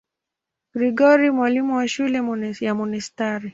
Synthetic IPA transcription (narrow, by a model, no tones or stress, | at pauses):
ɡ̥ɾiɡɔɾimwalimuwaʃulɛjamɔnistaɾi